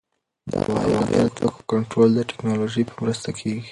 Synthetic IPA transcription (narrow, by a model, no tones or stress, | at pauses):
wa̰waɡa̰taku̥kɔntɾɔlzatɛ̥knɔlɔd͡ʒipʰamɾast̪akʰiɡi